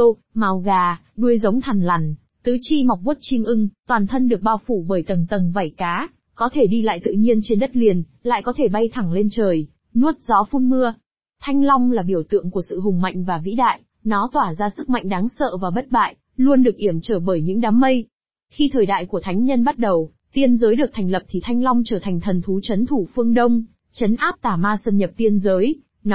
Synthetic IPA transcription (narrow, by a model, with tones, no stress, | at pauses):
o˧ | maː˨˩wɣaː˨˩ | ɗu˧əjzə˨˦wŋ͡mt̪ʰa˨˩ŋla˨˩n | t̪ɨ˨˦t͡ɕi˧ma˨˩k͡p̚ɓu˦˥t̚t͡ɕi˧mʔɨ˧ŋt̪waː˨˩nt̪ʰə˧nɗɨ˨˩ək̚ɓaː˧wfu˧˩ɓəː˧˩jt̪ə˨˩nt̪ə˨˩nva˧˩jkaː˨˦ | kɔ˨˦t̪ʰe˧˩ɗi˧la̰ː˧˨jt̪ɨ̰˧˨ɲi˧ənt͡ɕe˧nɗə˦˥t̚li˨˩ənla̰ː˧˨jkɔ˨˦t̪ʰe˧˩ɓa˧jt̪ʰa˧˩ŋle˧nt͡ɕəː˨˩j | nu˦˥ət̚zɔ˨˦fu˧nmɨ˧ə | t̪ʰa˧jŋ̟la˧wŋ͡mlaː˨˩ɓi˧˩əwt̪ɨ̰˧˨əŋku˧˩əsɨ̰˧˨ɦʊ˨˩ŋ͡mma̰˧˨jŋ̟vaː˨˩vḭ˧˥ɗa̰ː˧˨j | nɔ˨˦t̪waː˧˩zaː˧sɨ˦˥k̚ma̰˧˨jŋ̟ɗaː˨˦ŋsə̰ː˧˨vaː˨˩wɓə˦˥t̚ɓa̰ː˧˨j | lu˧ənɗɨ˨˩ək̚ʔi˧˩əmt͡ɕəː˧˩ɓəː˧˩jɲɨ̰˧˥ŋɗaː˨˦mːə˧j | xi˧t̪ʰəː˨˩jɗa̰ː˧˨jku˧˩ət̪ʰa˨˦ŋ̟ɲə˧nɓa˦˥t̚ɗə˨˩w | t̪i˧ənzəː˨˦jɗɨ˨˩k̚t̪ʰa˨˩jŋ̟lə˨˩p̚t̪ʰi˨˩t̪ʰa˧jŋ̟la˧wŋ͡mt͡ɕəː˧˩t̪ʰa˨˩jŋ̟t̪ʰə˨˩nt̪ʰu˨˦t͡ɕə˨˦nt̪ʰu˧˩fɨ˧əŋɗə˧wŋ͡m | t͡ɕə˨˦nʔaː˦˥p̚t̪aː˧˩maː˧sə˧˩nɲə˨˩p̚t̪i˧ənzəː˨˦j | n˨